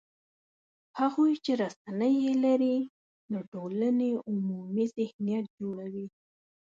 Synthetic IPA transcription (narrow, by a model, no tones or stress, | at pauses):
haɣojt͡ʃeɾasanəjelaɾi | d̪əʈolaneʊmumizɪhnijat̪̚d͡ʒoɽawi